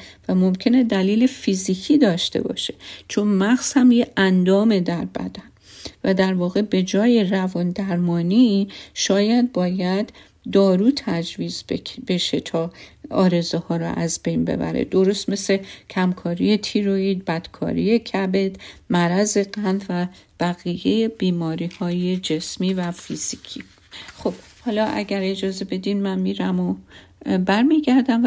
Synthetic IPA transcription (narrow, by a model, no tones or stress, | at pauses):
væmo̞mcʲʰe̞ne̞d̪æliːlefiziːkʰiːd̪ɒːʃt̪e̞̰bɒ̰ːʃe̥t͡ʃʰo̞nmæxz̥hæmjeʔænd̪ɒːme̞d̪æɾbæ̰d̪æn | væd̪æɾvɒːɣe̞be̞d͡ʒɒːje̞ɾævɒːnd̪æɾmɒːniʃɒːjæd̪̚bɒːjæd̪ː | ɒːɾuːt̪ʰæd͡ʒviːzbe̞ʃet̪ʰɒːɒ̰ːɾe̞zehɒːɾɔ̰ʔæzbe̞jnbḛbæ̰ɾḛd̪̥o̞ɾost̪me̞slecʰæmkʰɒːɾije̞t̪ʰiɾoiːd̪̚bæd̪̥kʰɒ̰ːɾije̞cʰæbe̞d̪mæɾæze̞ɢænvæ | b̥æɣijejebiːmɒːɾiːhɒːjed͡ʒe̞smiːvæfiz̥ikʰi | xob̥ | hɒːlɒːʔæ̰ɟæɾe̞d͡ʒɒːze̞be̞d̪inmænmiːɾæmo | bæɾmiɟæɾd̪æm